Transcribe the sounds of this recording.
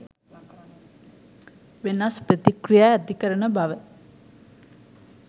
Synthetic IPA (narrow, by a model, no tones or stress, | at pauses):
ʋenaspɾət̪ikɾijaːd̪ʱikəɾəɳəbaʋə